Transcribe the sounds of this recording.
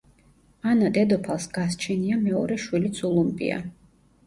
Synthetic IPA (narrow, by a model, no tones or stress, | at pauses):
anad̪ɛd̪ɔpʰalˠsɡ̥ast͡ʃʰɛniamɛɔɾɛʃwilit̪sʰulˠumpʼḭa̰